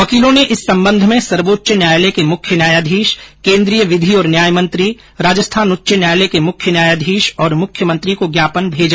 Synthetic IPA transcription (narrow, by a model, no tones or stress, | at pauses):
ʋɐkiːlõneʔɪsːɐ̃mbə̃nd̪ʱmẽsɐɾʋoːtːʃənjaːjlekemʊkʰjənjaːjaːd̪ʱiːʃkẽːnd̪ɾijəʋɪd̪ʱiɔːɾnjaːjmɐ̃nt̪ɾi | ɾaːd͡ʒəst̪ʰaːnʊtːʃənjaːjlekemʊkʰjənjaːjaːd̪ʱiːʃɔːɾmʊkʰjəmɐ̃nt̪ɾikoɡjaːpənbʱeːd͡ʒa